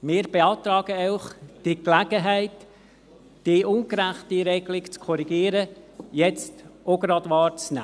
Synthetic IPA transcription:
mɪːɾb̥eɑːt̪ɾɑːɡəɛʊχd̥iklæɡəɦæɪtː | d̥iʔʊnɡɾæχtiɾɛɡlɪkt͡skʰɔɾiɡiːɾəjɛt͡stʔoɡɾɑd̪ʋɑːɾt͡snæ̰ː

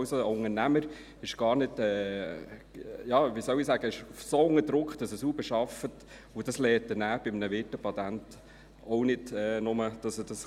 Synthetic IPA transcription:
wsoʊŋənæməɾ | ɪʃɡ̥ɑːɾnɪdɛː | jɑːʋiːsœwisæːɡ̥əɪʃufsoʊŋədɾʊkχd̥ɑsəsuːbəʃɑfət | ʊd̥ɑslɛːt̚ːənæːb̥ɪmənəʋɪtəpɑt̪ænt | ɔʊnɪdɛːnʊməd̥ɑsəd̥ɑs

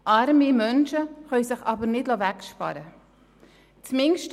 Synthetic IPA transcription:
ʔɑɾmimœnʃəχœsɪχɑbəɾnɪdlovækʃpɑ̰ɾə | t͡smɪŋʃt

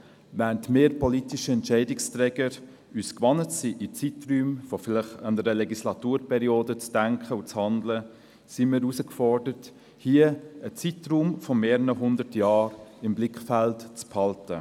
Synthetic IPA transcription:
væntmeːɾpɔlitiʃəɛntʃɛɪdɪkstɾɛːɡəɾ | yːskʋɑnətsiʔit͡sitryːmfɔfɪlɪχɑndəɾəlɛɡislɑt̪uːɾpʰɛɾioːdət͡sd̥æŋkχəut͡shɑndlə | simiːɾusəkfɔrdəɾt | hiəət͡sitɾuːmfɔmeːɾənəɦʊndəɾtjɑːɾɪmblɪkχfæltt͡sphɑltə

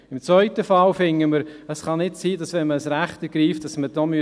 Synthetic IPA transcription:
ɪmt͡svœʏtəfɑlfɪŋːəməɾəsχɑnɪtsiːdɑsʋɛnməəsɾæχtəɡ̥ɾiːft̚d̥ɑsmədɔːmy

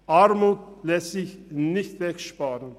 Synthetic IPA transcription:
ɑɾmuːt̪̚lɛsɪçnɪçt̪vɛkʃpɑːɾən

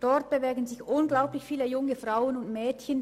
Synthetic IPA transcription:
d̥ɔʁt̚b̥əvɛɐɡən̩zɪçʔʊnɡlaʊplɪçfiːləjʊŋəfʁaʊənʊntmɛːtçən

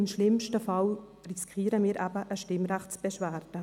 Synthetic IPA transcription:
ɪmʃlɪmʃtəfɑl | rɪskʰiːɾəmiːɾʔabəʔəʃtɪmrɛχtt͡sb̥ɛʃvæːrd̥ə

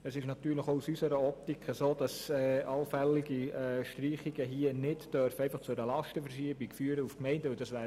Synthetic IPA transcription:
əsɪʃnɑt̪yːɾləχousysəɾəɔp̚t̪ikʰχəsoːd̥ɑsɛːʔɑlfɛlːiɡiɛʃtriːχiɡ̥əɦiənɪdd̥œɾfəɛɪfɑχt͡sʊɾəlɑʃtəfəɾʃiːəbikfyːəɾəufkmɛɪndəʊd̥ɑsʋæː

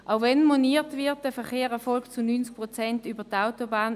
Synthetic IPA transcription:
ʔaʊvɛnmoniːtvɪɐt̚d̥əfɛχeːʁɛɐfɔlkt͡sunyːnt͡sk̚pʁɔt͡sɛntyːbətaʊtobaːn

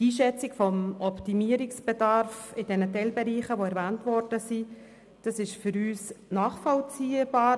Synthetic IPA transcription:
iːʃɛt͡sɪkfɔmɔptimiəɾiksb̥ɛdɑɾfɪd̥ɛnətɛlbɛɾiːχəʋoɛɾvæːntʋɔɾdəsi | d̥ɑsɪʃfʏɾyːsnɑːχfɔlt͡siːəb̥ɑː

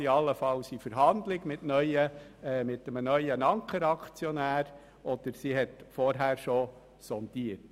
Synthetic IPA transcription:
iɑlːəfɑlsifəɾɦɑnd̪lɪɡmɪtnœʏəmɪtəmnœʏənɑŋkəɾɑkʰt͡sjɔnæːɾ | ʔɔd̥əɾsiɦɛtfɔɾɦæːɾʃɔ | sɔnd̪iət

